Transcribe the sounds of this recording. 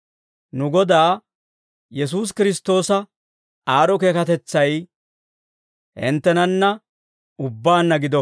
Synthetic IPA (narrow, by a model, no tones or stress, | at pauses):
nʊɡɔd̪aː | jɛs̬uːs̬kɪɾɪst̪o̞ːsɐ | aːɾɔke̞ːkɐt̪ɛt͡sːɐj | hɪ̰nt̪ːɛnɐnːɐ | ʊbːaːnːɐɡɪd̪ɔ